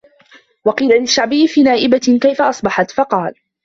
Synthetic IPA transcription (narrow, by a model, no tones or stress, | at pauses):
wɑqiːlalɪʃːaʕbɪjːɪfiːnaːʔɪbakajfaʔɑsˤbɑħɑt̪fɑqɑːl